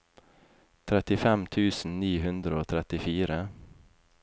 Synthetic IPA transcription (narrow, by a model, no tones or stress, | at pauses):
t̪ʰɾɛt̪ɪfɛmt̪ʰʉːsn̩niːhʉnd̪ɾəoːt̪ʰɾɛt̪ɪfiːɾə